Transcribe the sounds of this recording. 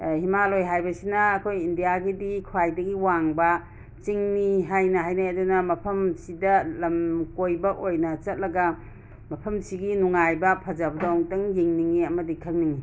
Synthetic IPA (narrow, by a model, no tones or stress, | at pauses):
himalojɦajbɐsinɐːkʰojindijaɡidikʰwajdɐɡiwaŋbɐ | t͡ʃiŋniɦajnɐɦajnaɐdunɐmɐpʰɐmsidɐlɐmkojbɐʔojnɐt͡ʃɐt̚lɐɡɐ | mɐpʰɐmsiɡinuŋajbɐpʰɐd͡ʒabɐdaŋtɐŋjiŋniŋiɐmɐdikʰɐŋniŋi